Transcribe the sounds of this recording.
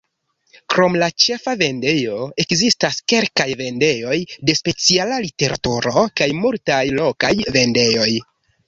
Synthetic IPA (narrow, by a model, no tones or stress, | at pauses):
kɾo̞mlat͡ʃe̞fave̞nde̞jo̞e̞kzistaske̞lkajve̞nde̞jo̞jde̞spe̞t͡sialalite̞ɾa̰tuɾo̞kajmultajlo̞kajve̞nde̞jo̞j